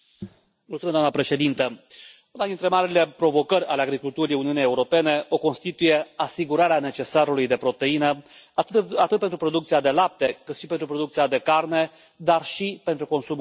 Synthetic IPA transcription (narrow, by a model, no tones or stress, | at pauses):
mult̪umied̪amnəpɾe̞ʃe̞d̪int̪ə | unad̪int̪ɾe̞maɾile̞pɾo̞vo̞kəɾʲaleaɡɾikult̪uɾijuniunijeuɾo̞pe̞ne̞o̞ko̞nst̪it̪uje̞asiɡuɾaɾeane̞t͡ʃe̞saɾulujd̪e̞pɾo̞t̪e̞inə | at̪ɨt̪̚pe̞nt̪ɾupɾo̞d̪ukt̪siad̪e̞lap̚t̪e̞kɨt̪ʃipe̞nt̪ɾupɾo̞d̪uk̚t̪siad̪e̞karne̞ | d̪arʃipe̞nt̪ɾuko̞nsum